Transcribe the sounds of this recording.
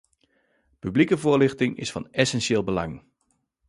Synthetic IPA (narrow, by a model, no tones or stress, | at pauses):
pyblikəvʊəlɪxtɪŋɪ̰sfɑnɛsɛnsɪːlˠbəlɑŋ